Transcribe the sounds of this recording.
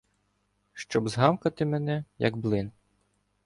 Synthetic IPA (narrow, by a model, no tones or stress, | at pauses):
ʃt͡ʃɔbzɦɑmkɐt̪ɪmɛnɛjɐ̰ɡblˠɪn